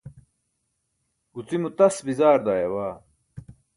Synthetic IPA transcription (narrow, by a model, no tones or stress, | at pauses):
ut͡simut̪ɐsbizaːɾd̪aːjɐwaː